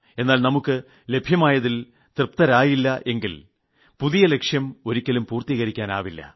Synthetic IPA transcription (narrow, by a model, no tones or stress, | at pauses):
e̞nːaːlnɐmukːɨ | le̞bʱjɐmaːjɐðil | t̪irpt̪ɐɾaːjilːɐʔe̞ŋɡil | puðijɐle̞kʂjɐmo̞ɾikʲːɐlumpuːrt̪iːɣɐɾikʲːaːna̰ːʋilːɐ̰